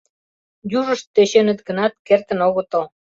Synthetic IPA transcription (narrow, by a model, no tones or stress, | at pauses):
juʒəʃt̪ːeɕenə̆t̪̚ɡənɑt̪̚kert̪ə̆noɣə̆t̪ə̆l